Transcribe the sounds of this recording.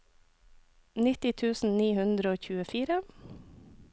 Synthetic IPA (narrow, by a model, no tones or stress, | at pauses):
nɪt̪ɪt̪ʰʉːsn̩niːhʉnd̪ɾəoːçʉːəfiːɾə